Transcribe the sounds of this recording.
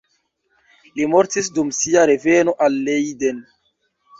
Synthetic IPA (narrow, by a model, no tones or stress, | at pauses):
limoɾtis̬dumsiaɾe̞veno̞ʔalːejden